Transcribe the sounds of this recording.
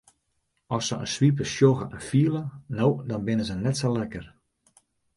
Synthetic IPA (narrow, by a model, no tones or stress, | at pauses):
ɔsəə̰nsʋip̬əsjoɣəʔɛnfiəlˠənowdɔnbɪnəzənɛtsolɛkər